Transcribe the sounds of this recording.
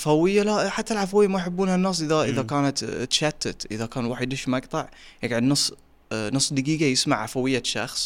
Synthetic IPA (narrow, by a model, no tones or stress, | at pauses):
ʕafawɪjːalaħat̪ːalʕafawɪjːamajħɪbːuːnhanːɑsˤʔɪðaʔɪðakaːnat̪t͡ʃaːt̪ːɪt̪ʔɪðakaːnwaːħəd̪ɪʃmaɡt̪ˤɑʕjaɡʕɪd̪nʊsˤː | nʊsˤːd̪aɡiːɡajɪsmaʕʕafawɪjːaʃɑ̰xsˤ